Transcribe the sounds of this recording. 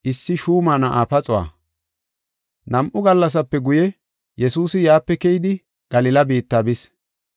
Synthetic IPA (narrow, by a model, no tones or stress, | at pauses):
ʔɪsːɪʃuːmaːnɐʔaːpɐt͡sʼʊwa̰ː | nɐmʔʊɡɐlːɐs̬ɐpːɛɡʊjɛ | jɛsuːsɪjaːpːɛkɛjɪd̪ɪ | ɡ̥ɐlɪlɐbiːt̪ːaːbɪs